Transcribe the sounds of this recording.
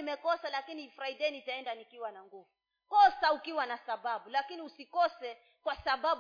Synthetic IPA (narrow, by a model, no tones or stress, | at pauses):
imɛkɔsalakinifɾaidɛnitaɛndanikiwanaŋɡuvu | kɔsaukiwanasaɓaɓulakiniusikɔsɛ | kwasaɓaɓ